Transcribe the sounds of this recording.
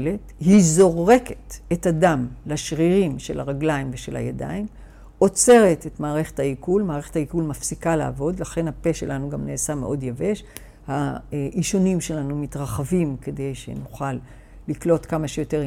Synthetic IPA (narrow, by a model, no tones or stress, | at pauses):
lethizo̞ʁe̞ke̥t̪e̞tadamlaʃʁiʁimʃe̞̰laʁaɡlaimveʃelha̰jada̰im | o̞t͡se̞ʁe̞tetmaːʁe̞χe̥thaikulmaːʁe̞χethaikulmafsikalaa̰vo̞dlaχe̞nhape̞ʃe̞̰lanuɡamne̞ːsamḛʔo̞djave̞ʃ | haʔiʃonimʃe̞lanumitʁaχavimke̞de̞jʃe̞̰nuχalː | iklo̞tkamaʃejo̞te̞ʁ